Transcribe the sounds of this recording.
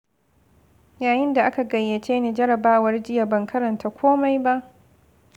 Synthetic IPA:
jaː˨jɪ˦nda˨ʔa˦ka˨ɡɐ˨jːe˨t͡ʃeː˦neː˨d͡ʒɐ˦ɾɐ˨baː˦wɐ˦rd͡ʒɪ˦ja˨bɐ˨ŋkʰɐ˦ɾɐ˨ntaː˨˦kʷoː˦ma˦jba˦ʔ

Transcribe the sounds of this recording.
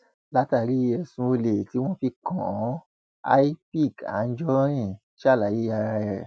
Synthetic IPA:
la˦ta˦˨ɾi˦˧ɛ˧sũ˧o˧le˨ti˨˦w̃ɔ̃˦fi˧kɔ̃˨˦ | a̰˦i˦pi˦˨ɡa̰˨˦d͡ʒɔ˦ɾĩ˦˨ | ʃa˦˨la˨ji˦ja˧ɾa˧ɛ˨

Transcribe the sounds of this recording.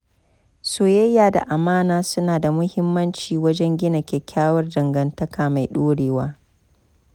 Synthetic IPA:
soː˨jɐ˦jːaː˨da̰˨ʔa˨maː˦naː˦sʊ˦naː˨da˨mʊ˦hɪ˦mːɐ˦nt͡ʃiː˨wɐ˦d͡ʒɛ˦ŋɡʲɪ˦nɐ˨kʲe˨kʲʰaː˦wɐ˦rdɐ˨ŋɡɐ˨ntɐ˦kʰaː˨ma˨jɗoː˦ɽeː˨waː˦

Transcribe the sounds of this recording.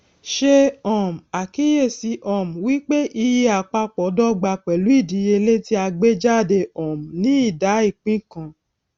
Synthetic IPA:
ʃe˧ɔ˨m̩˨a˨ki˦je˦˨si˨˦ʔɔ˦˨m̩˨wi˦k͡pe˦ʔi˧ji˧a˨k͡pa˧k͡pɔ˨˦dɔ˦ɡ͡ba˧k͡pɛ˨lu˨˦i˦˨di˨˦je˧le˦ti˦a˧ɡ͡be˦d͡ʒa˦˨de˧ɔ˨m̩˨nĩ˨˦i˦˨da˨˦i˦˨k͡pĩ˦kã˧˨

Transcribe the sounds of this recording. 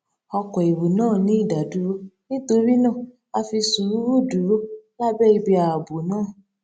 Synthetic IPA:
ɔ˧kɔ˨i˨ɾu˨nãː˦˨nĩ˦i˦˨da˨du˨˦ɾo˧nĩ˦to˧ɾi˦nãː˦˨ | a˧fi˧su˨ɾu˦ɾu˦˨du˨˦ɾo˦la˦bɛ˦i˧bi˧a˨a˨bo˨nãː˦˨

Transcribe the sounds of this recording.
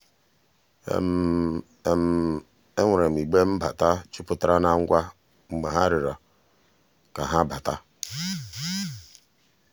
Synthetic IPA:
m˨˦˨ | e˦ŋʷa˨ɾe˨m̩˨i˨ɡ͡be˦m̩˦ba˨ta˦t͡ʃʊ˦pʊ˦ta˦ɾa˦na˦ŋ̩˦ɡʷa˦ | ŋ͡m̩˨ɡ͡be˨ɦa˦ɾɪ˨ɾa˨ | ka˨ɦa˦ba˨ta˦

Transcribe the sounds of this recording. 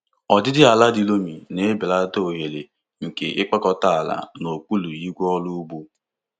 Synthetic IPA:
ɔ˨dɪ˦dɪ˦a˨la˦di˦lo˦mi˨ne˨˦bɪ˨la˦do˦o˨ɦe˨le˨ | ŋ̩˨kḛ˨ʔɪ˦k͡pɔ˦kɔ˦ta˦a˨la̰˨no˨k͡pu˦lu˨ji˦ɡʷɔ˦lu˦u˦ɡ͡bu˦

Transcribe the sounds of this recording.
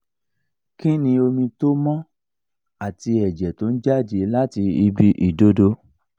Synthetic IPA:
kĩ˦nĩ˧o˧mĩ˧to˦mɔ̃˦ | a˦˨ti˧ɛ˨d͡ʒɛ˨to˨˦n̩˦d͡ʒa˦˨d͡ʒi˧la˦ti˧i˧bi˦ʔi˨do˦do˧˦

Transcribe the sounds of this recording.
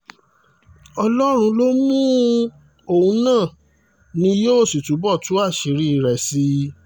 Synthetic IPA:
ɔ˧lɔ˦ɾ̃ũ˧lo˦mũ˦ | o˨ũ˧nãː˦˨ | nĩ˧˦jo˦˨si˨tu˨˦bɔ˦˨tu˨˦a˦˨ʃi˨˦ɾi˦i˧˨ɾɛ˨si˧˦

